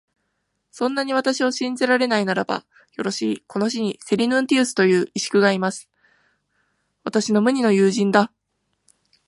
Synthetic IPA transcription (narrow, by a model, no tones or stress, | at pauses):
sõ̞nːaɲ̟iβ̞at̪aɕioɕĩnd͡zeɾaɾe̞nainaɾaba̰ | jo̞ɾo̞ɕiːko̞no̞ɕiɲ̟ise̞ɾʲinɯ̟̃nt̪ʲiːsɨ̥t̪o̞jɯ̟ːʔiɕi̥kɯ̟ɡaimasɨ̥ | βat̪aɕino̞mɯ̟ɲ̟ino̞jɯːʑĩnd̪a